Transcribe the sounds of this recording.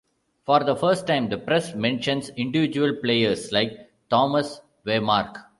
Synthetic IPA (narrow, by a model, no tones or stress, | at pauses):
fɔːɾd̪əfəɾsʈːãɪ̃md̪əpɾɛsmɛ̃nʃə̃nsɪ̃ɳɖɪʋɪd͡ʒuəlpleːəɾslaɪk | ʈɔːməs | ʋeːmaːɾk